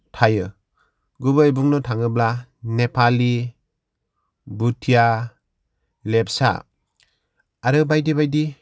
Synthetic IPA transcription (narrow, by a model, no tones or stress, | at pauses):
tʰajɯ | ɡubɯjbuŋnɔtʰaŋɯblanepʰali | butʰija | lepsa̰ | aɾɯbajdibajdi